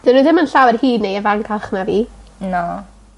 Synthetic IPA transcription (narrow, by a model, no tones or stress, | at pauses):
d̥ɪnuðɪmənɬawɛrhiːdnejəvaŋkʰalˠχnaviːnɔ